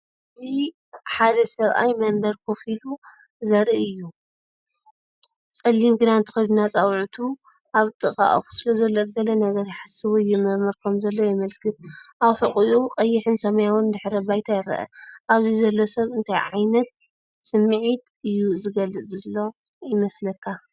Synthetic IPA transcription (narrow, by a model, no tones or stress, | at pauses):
ʔɨzi | ħad̪ɐsɐβʔa̰jmɐmbɐɾkʰofilu | zɐɾʔiɨjːu | t͡sʼɐlːimɡɨd̪ant̪ʰɨ̥xɐjd̪unat͡sʼawʕut̪ʰu | ʔaβt̪ʼɨχʼa̰ʔʼxu̥sɨlɐzɐlːoɡɐlɐnɐɡɐɾħasɨwɔjɛmɐɾmɐɾkʰɐmzɐlːo̞jɛmɐlkʰɨt̪̚ʔawħɨχʼiʔuqʼɐjːɪħɨnsɐmɐjawɨnd̪ɨħɾɐbajt̪ʰajɐɾɐ̰ʔɐ̰ʔaβzizɐlːo̞sɐβɨnt̪ʰajʕajnɐt̪ | sɨmːɨʕit̪ʔɨjːuzɨɡɐlɨt͡sʼzɨlːo̞ | jɪmɐslɐkʰːa